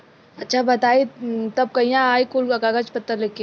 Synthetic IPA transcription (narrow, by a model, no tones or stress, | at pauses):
ɐtːʃʰabɐt̪aːit̪ɐb̚kɐijãaːikulkakaɡat͡ʃpɐt̪ːalekːe